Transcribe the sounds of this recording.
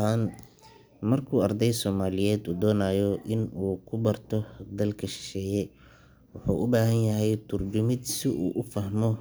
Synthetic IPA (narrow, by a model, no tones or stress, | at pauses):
aːn | mɐrkʰuːɐrd̪ɛjsɔːmaːlɪjɛːd̪uːd̪ɔːnaːjɔʔɪnuːkʰʊbɐrt̪ʰɔd̪ɐlkʰɐʃɪ̥ʃɛːjɛ | wʊħṵːʔʊbaːɦɐnjɐɦɛjt̪ʰʊrt͡ʃʊmɪd̪sɪʔṵːʔʊfɐɦmɔ